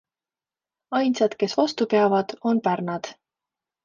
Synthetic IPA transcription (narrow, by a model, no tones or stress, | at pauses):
ɑjnsɑd̪̥ke̞svɑst̪upeɑvɑd̪̥o̞npærnɑd̪̥